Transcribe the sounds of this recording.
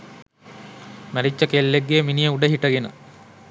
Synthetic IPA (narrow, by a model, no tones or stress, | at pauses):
mæɾit͡ʃːəkelːeɡːeːminijəuɖəɦiʈɐɡenə̰